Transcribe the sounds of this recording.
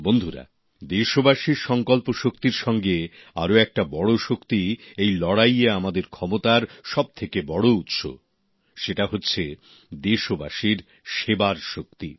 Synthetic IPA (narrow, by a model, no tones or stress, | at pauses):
bond̪ʱuɾa̰ | d̪eʃobaʃiɾʃɔŋkɔlpoʃokt̪iɾʃɔŋɡea̰ɾoɛk̚ʈabɔɽoʃokt̪iejlɔɽajeamad̪eɾkʰɔmot̪aɾʃɔb̚t̪ʰekebɔɽout̪ʃo̰ | ʃeʈaɦotːɕʰe | d̪eʃobaʃiɾ | ʃebaɾʃok̚t̪i